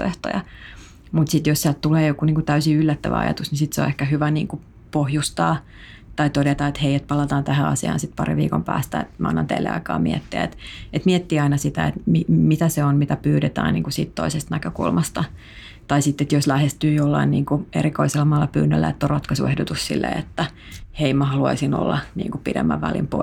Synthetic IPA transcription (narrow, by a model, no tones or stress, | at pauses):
o̰eht̪o̰jɑ | mut̪sit̪jossiæltt̪uleːjokuniːŋkut̪æysiylːæt̪ːæʋæ̰ɑ̰jɑ̰t̪usnisit̪seo̰nehkæhyʋænḭːŋku | pohjust̪ɑː | t̪ɑit̪odet̪ɑet̪heiet̪̚pɑlɑt̪ɑːnt̪æhæɑ̰siɑ̰ːnsit̪̚pɑrḭʋḭːko̰mpæ̰ːst̪æ̰ḛt̪mæʔɑ̰nːɑ̰nt̪ḛilːḛɑ̰ikɑ̰ːmiɛt̪ːiæ̰ḛt̪et̪miɛt̪ːiːɑinɑsit̪æ̰ḛt̪mimit̪æseonmit̪æpyːɾet̪æ̰ːnnḭːŋkusiːt̪t̪oisest̪nækøkṵlmɑst̪ɑ | t̪ɑisit̪ːet̪joslæhest̪yːjolːɑ̰inniːŋkuḛɾikoiselːɑmɑːlːɑpyːnːø̰lːæ̰et̪ːorrɑt̪kɑsuehdot̪ussḭlːḛet̪ːæ | heimæhɑluɑ̰isino̰lːɑnḭːŋkupidḛmːæ̰ʋʋælḭmpo̰